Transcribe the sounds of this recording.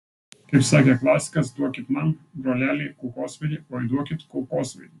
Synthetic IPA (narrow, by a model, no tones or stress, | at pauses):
kɐɪpsɑːkʲɛklˠaːsʲɪ̥kɐsd̪uɔkʲɪt̪nɐŋkbɾɔːlʲæːlʲɪkukoːsʲʋʲɛd̪ʲɪoːid̪uɔkʲɪt̪kukoːsʲʋʲɛ̰d̪ʲɪ